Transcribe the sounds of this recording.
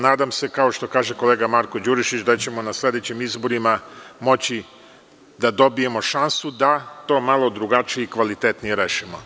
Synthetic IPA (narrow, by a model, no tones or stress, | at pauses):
naːd̪amse̞kao̞ʃt̪o̞kaːʒe̞ko̞le̞ːɡamaɾko̞d͡ʑuɾiʃit͡ɕd̪at͡ɕe̞mo̞naslʲe̞d̪et͡ɕemizbo̞ɾimamo̞t͡ɕi | d̪ad̪o̞bije̞mo̞ʃansud̪at̪o̞ːmalˠo̞d̪ɾuɡat͡ʃijeikʋalit̪et̪nijeɾeːʃimo̞